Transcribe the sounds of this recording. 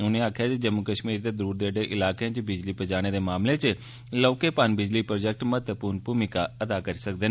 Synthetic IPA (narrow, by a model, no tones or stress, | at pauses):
ʊnẽːaːkʰjaːd͡ʒed͡ʒəmːukəʃmiːɾd̪eːd̪əɾuːɾd̪eːɖeːʔɪlaːkeãt͡ʃbɪd͡ʒliːpəd͡ʒaːɽ̃eːd̪eːmaːmleːt͡ʃ | lɔːkeːpaːnbɪd͡ʒliːpɾoːd͡ʒɛk̚ʈmət̪əpuːɾnpuːmɪkaːəd̪aːkəɾiːsəkd̪eːn